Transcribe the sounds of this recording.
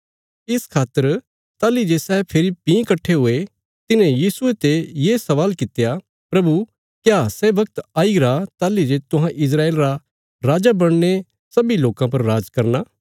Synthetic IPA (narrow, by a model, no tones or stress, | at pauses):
ɪskʰaːt̪ːəɾ | t̪aːlid͡ʒesɛːpʰɪɾipĩːkɐʈʰːeɦʊe | t̪ɪnẽjiːsʊet̪ejeːsɐʋaːlkɪt̪eja | pɾɐbu | kjaːsɛːbɐk̚t̪aːiɾat̪aːlid͡ʒet̪ʊɦãʔɪs̬ɾaːeːlɾa | ɾaːd͡ʒabɐɽ̃ne | sɐbiloːkãp̬ɐɾːaːd͡ʒkɐɾnaː